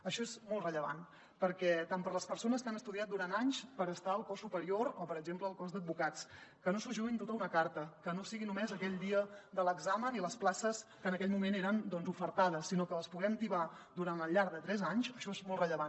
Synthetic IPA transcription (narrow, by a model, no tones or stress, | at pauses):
əʃɔezmɔlˠtrəʎəβa̰n | pəɾkɛt̪ampəɾləspəɾsonəskanəst̪uðiat̪̚d̪uɾanaɲspəɾəst̪aəlˠkɔsːupəɾioɾopəɾəɡʒempləːlˠkɔzd̪əd̪̚bukat͡skənosuʒuint̪ot̪əunəkaɾt̪əkənosiɣinumɛzəkɛʎd̪iəd̪ələɡzaməniləsplasəskənəkɛʎmumeneɾənd̪ɔnzufəɾt̪aðəsːinokələspuɣɛmt̪iβa | d̪uɾanəlˠʎːaɾðət̪ɾɛzaɲsəʃɔezmɔlˠtrəʎəβan